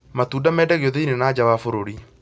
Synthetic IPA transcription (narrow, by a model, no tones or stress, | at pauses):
matuːdamɛːdɛɣeɔðeinenaːd͡ʑawafoɾoɾi